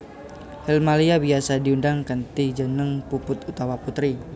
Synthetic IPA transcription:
hɛlmaliabiasadiundaŋkənt̪id͡ʒənəŋpupʊt̪ut̪awaput̪ɾi

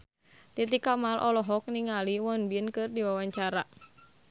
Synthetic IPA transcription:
t̪it̪ikamalʔɔlɔɦɔk̚niŋaliwɔnbiənkɨrdiwawaɲt͡ʃaɾa

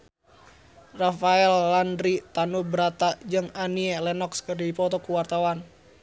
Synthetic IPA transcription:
rafaɛlːandɾit̪anubəɾat̪ad͡ʒɨŋanielɛnɔkskərdipɔt̪ɔkuwart̪awan

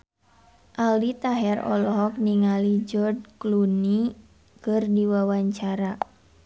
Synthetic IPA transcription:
ʔalit̪aɦɛrɔ̰lɔɦɔk̚niŋalid͡ʒɔrdkluni | kɨrdiwawaɲt͡ʃaɾa

